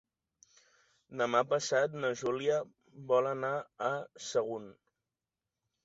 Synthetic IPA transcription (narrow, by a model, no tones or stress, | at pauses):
d̪əmapəsat̪nəʒuliə | βɔlənaːsəɣ̞un